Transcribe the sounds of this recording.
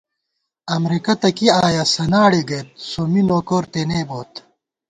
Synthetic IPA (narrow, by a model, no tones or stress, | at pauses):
ɐmɾikɐt̪ɐkiaːjasɐnaːɽiɡɐjt̪̚sominoːkoːɾt̪eneːboːt̪